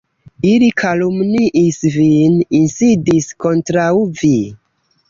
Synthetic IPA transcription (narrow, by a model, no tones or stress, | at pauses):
ilikʰalumniʔisvininsidisko̞ntɾawvi